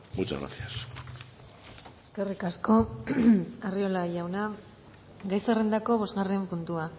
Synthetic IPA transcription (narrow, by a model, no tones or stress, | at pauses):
mut͡ʃa̰ɣɾa̰sias | eske̞rikasko̞ | ario̞laʝawna | ɡajserend̪ako̞βo̞zɣare̞mpunt̪ua